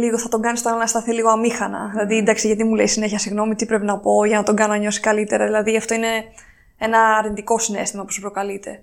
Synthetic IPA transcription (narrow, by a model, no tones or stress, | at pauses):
liɣo̞θɐt̪o̞ɡɐnist̪olnɐst̪ɐθiliɣo̞ɐmixɐnɐ̰ðilɐðiind̪ɐksiʝɐt̪imule̞isine̞çiɐsiɣno̞mit̪ipɾe̞pinɐpo̞ʝɐnɐt̪o̞ɡɐnonɐɲo̞si̥kɐlit̪e̞ɾɐðilɐðiɐft̪o̞ine̞ | e̞nɐːɾind̪iko̞sine̞̰st̪imɐpusupɾo̞kɐlit̪ʰe̞